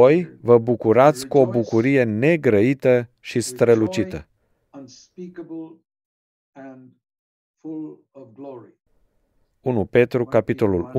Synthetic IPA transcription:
ojvəbukuɾat̪sʲkuo̞bukuɾije̞ne̞ɡɾəit̪əʃist̪ɾəlut͡ʃit̪ə | ə̃nspikəbl̩ˠ | ə̃n | fʊl | ʌvɡlɔɹi | unupe̞t̪ɾukapit̪o̞lul

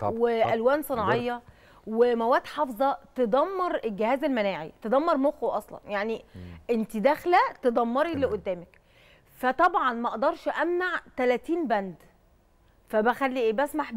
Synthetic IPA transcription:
weʔælwæːnsˤɨnɑʕejːɑ | wemæwæːt̪ħɑfzˤɑt̪ed̪ˤɑmːɑɾˤelɡehæːzælmænæːʕḭt̪ed̪ɑmːɑɾˤmoxoʔɑsˤlɑ̰njaʕniʔent̪id̪æxlæt̪ed̪ˤɑmːɑɾileʔod̪ːæːmæk | fæt̪ˤɑbʕɑnmæʔɑʔd̪ɑɾˤʃʔæmnaʕt̪ælæt̪iːnbænd̪ | fæbæxælːiʔeːbæsmaħ

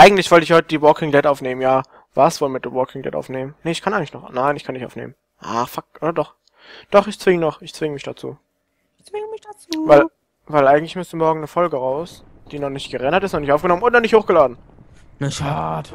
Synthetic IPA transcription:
ʔaɪɡŋ̩tlɪçv̥ɔltəɪçhɔʏtədiːbɔkʰɪŋdɛtʔaʊfneːmənjaː | v̥aːɐsv̥oːlmɪt̚d̥eːʁɔkʰɪŋdɛ̰tʔa̰ʊfneːmənnəɪçkʰanʔaɪɡŋ̩klɪçnɔχnaɪnɪçkʰanɪçʔa̰ʊfnḛːmən | ʔa̰ːfakʔoːɾɐdɔχ | d̥ɔχɪçt͡sv̥ɪŋənɔχɪçt͡sv̥ɪŋəmɪçd̥at͡sṵː | çt͡sv̥ɪŋəmɪçd̥at͡suːvaɪl | vaɪlʔaɪɡŋ̩tlɪçmʏstəmɔɐɡŋ̩nəfɔlɡəʁaʊs | d̥iːnɔχnɪçtɡ̥əʁɛnɐtɪstnɔχnɪçtʔaʊfɡ̥ənɔmənʊntnɔnɪçthoːxɡ̥əlaːdn̩ | nəʃaːd

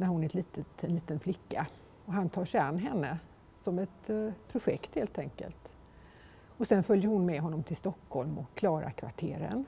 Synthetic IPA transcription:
næɾhʊnɛt̪liːt̪ət̪ɛnliːt̪ənflɪkːa | ɔɦant̪ʰɑːʂɛɪanːɦɛnːə | sɔmɛt̪̚pʰɾʊɧɛkt̪heːlt̪ʰɛŋkə̰lt̪ | ɔsɛnfœljəɾhʊnmɛɦɔnːɔmt̪ʰɪlst̪ɔkːhɔlmɔkʰːlɑːɾa̰kʰva̰ʈʰḛːɾə̰n

